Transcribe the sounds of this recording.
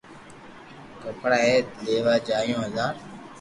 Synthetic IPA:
kəpɽaːɦeːt̪leːʋaːd͡ʒaːjõːɦəzãːn

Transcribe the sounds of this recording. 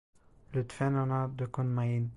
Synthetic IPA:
lət̪fɛnanad̪əkɔnmain

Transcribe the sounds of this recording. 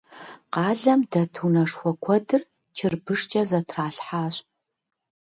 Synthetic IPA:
qɑːɮɐmdɐtʰunɐʂxʷɔkʷʰɔdɨr | t͡ʃʰɪrbɨʂt͡ʃʼɐzɐtʰraːɬħaːɕʼ

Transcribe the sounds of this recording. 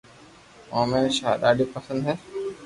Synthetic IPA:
ãːmẽːnʃaːɗ̪aːɖʱiːpəsə̃nd̪ɦɛː

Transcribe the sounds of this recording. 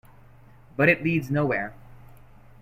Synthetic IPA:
b̥ʌɾɨtˡlidznoʊwɛɹ

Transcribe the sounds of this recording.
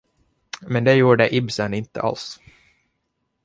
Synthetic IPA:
mɛnd̪ɛjuːɖɛʔɪbsənɪnt̪ə̰ʔa̰ls

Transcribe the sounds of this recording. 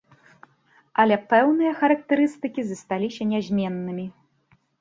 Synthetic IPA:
ɐlʲɛpɛwnɨjɐxɐɾɐk̚t̪ɛɾɨst̪ɨkʲizɐst̪alʲisʲɐnʲazʲmʲɛnːɨmʲi

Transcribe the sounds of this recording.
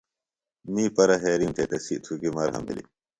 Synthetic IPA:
miːpɐɾɐɦeːɾimt̪et̪ɐsiʔt̪ʰuɡimɐːɾɦɐ̰mbḭlḭ

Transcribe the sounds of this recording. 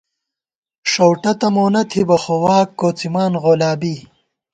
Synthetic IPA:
ʂowʈɐt̪ɐmoːnɐt̪ʰibɐxowaːkːoːt͡simaːnʁolaːbi

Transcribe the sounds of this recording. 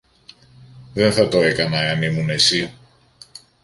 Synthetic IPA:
ðe̞nθɐt̪o̞e̞kɐnɐeɐnimune̞si

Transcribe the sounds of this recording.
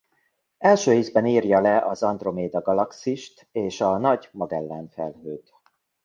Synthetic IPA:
ɛlʃøːiːzbɛniːrjɒlɛʔɒzɒnd̪ro̞meːd̪ɒɡɒlɒksiʃt̪eːʃɒnɒɟmɒɡɛlːɛɱfɛlɦøːɡ̪

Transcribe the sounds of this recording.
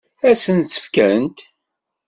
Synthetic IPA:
æsənt͡sːə̥fkænt̪

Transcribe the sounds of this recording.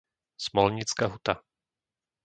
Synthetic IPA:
smɔlɲit͡skaɦut̪a

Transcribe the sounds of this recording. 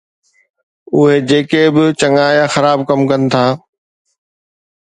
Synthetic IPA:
ʊɦed͡ʑeːkebɪt͡ɕɐŋaːjãxɐɾaːb̚kɐmkɐnɪ̆t̪ʰaː

